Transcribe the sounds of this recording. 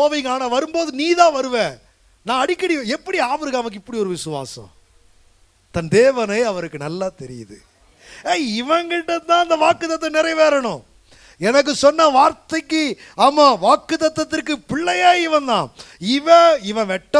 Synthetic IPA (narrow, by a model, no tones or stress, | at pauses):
oːʋɐŋɡaːnɐʋɐɾɯmboːðɯniːðãːʋɐɾɯʋẽ | nãːɐɽɪkːɐɽɪjõɛpːɐɽiaːfɐɾɯɣaːɐʋɐkːɪpːɐɽiɔɾɯʋɪsɯʋa̰ːsɐ̰̃ | t̪ɐnd̪eːʋɐnɐːɐʋɐɾɯkːɯnɐlːaːt̪ɛɾɪ̰jɐðɯ̰ | eːɪʋɐ̃ŋɡɪʈːɐt̪ãːɪnd̪ɐʋaːkːɯt̪ːɐt̪ːɐnɛɾɐɪʋeːɾɐɳʊ̃ | ɛnɐk̬ːɯsɔnːɐʋaːɾt̪ɐɪkːɯ | aːmaːʋaːkːɯt̪ːɐt̪ːɐt̪ːɪɾkːɯpɪɭːɐjaːɪʋɐ̃nd̪ã̰ːɪʋɐ̃ɪʋɛ̃ʋɛʈːɐ